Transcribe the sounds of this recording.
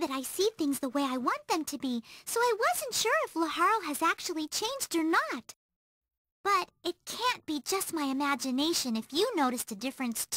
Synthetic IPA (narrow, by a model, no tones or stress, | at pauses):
ðɨɾaɪsiθɪ̃ŋzðəweɪaɪwɑ̃nðɨ̃mtʰɨbisoʊaɪwʌzɨ̃ntʃʊɹɨfləhɑɹolˠɨzæk̚t͡ʃul̩ˠit͡ʃʰẽɪ̃nd͡ʒdə˞nət̚ | b̥ʌɾɨt̚kʰæ̃nb̥id͡ʒʌst̚maɪɨmæd͡ʒɨneɪʃɨ̃nɨfjɨnoʊɾɨstɨdɪfɹɨ̃nstʰ